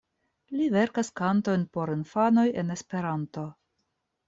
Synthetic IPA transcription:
live̞ɾkaskanto̞jnpo̞ɾinfano̞je̞ne̞spe̞ɾanto̞

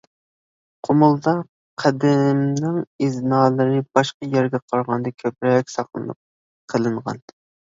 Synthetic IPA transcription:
qʰomʊlˠd̪ɑ | qʰæd̪ɪmnɪŋiznɑːlˠɨɾɨb̥ɑʃqɑjɛɾɡʲɛqʰɑɾʁɑnd̪ɑkʲʰøp̚ɾɛk̚ʲsɑχlˠɨ̰nɨ̰p̚ | qʰəlˠɨɴʁɑ̰n

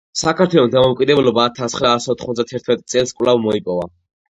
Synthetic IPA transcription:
sakʰaɾt̪ʰwɛlˠɔsd̪amɔkʼid̪ɛblɔbaːt̪ʰasχɾaːsɔt̪ʰχmɔt̪d̪at̪ʰɛɾt̪ʰmɛt̪ʼt̪sʼɛlˠskʼvlavmɔipʼɔva

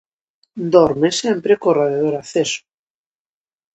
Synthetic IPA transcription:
d̪ɔɾmesempɾekoraðað̞oɾaθeso̥

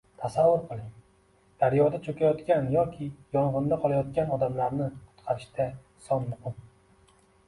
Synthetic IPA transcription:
t̪ʰasavːʊɾqʰɨlˠɪŋ | d̪̥aɾjɒd̪at͡ʃʰɵkʲʰajɒt̪kʲanjɒkʲʰɪjɒɴʁɨnd̪aqʰɒlˠajɒt̪kʲanɒd̪amlaɾnɪqʰʊ̥t̪qʰɑɾɪʃd̪ʰa | sɒnmʊhɨm

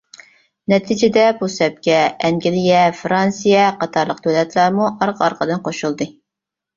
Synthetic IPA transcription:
nɛt̪ʰid͡ʒɪd̪ɛbusɛp̚kʲɛɛŋɡʲilijɛfɾɑnsijɛqɑt̪ʰɑɾlˠəq̚t̪ʰølɛt̪ʰlˠɑɾmuʔɑɾqʰɑɾqʰəd̪ɨnqʰoʃulˠd̪ɨ

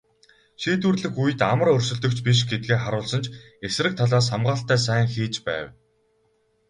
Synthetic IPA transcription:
ʃiːt̪wŭrɮɘ̆xujɘ̆t̪amə̆rɵrʲsɵ̆ɮt̪ɵ̆kt͡ɕpiʃ̬ɡet̪̚ɡeːχaɾʊːɮsə̆nt͡ɕʰ | es̆rɘ̆k̚t̪ʰaɮaːs̬χamɢaːɬt̪æːs̬æːŋxiːt͡ɕpæ̰ːw

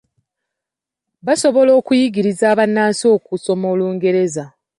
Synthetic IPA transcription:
βaso̞βo̞lo̞ːkujiɡiɾizaːβanːaːsio̞ːkuso̞mo̞ːluːŋɡe̞ɾe̞za

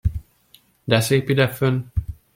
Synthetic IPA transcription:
d̪ɛseːpid̪ɛføn

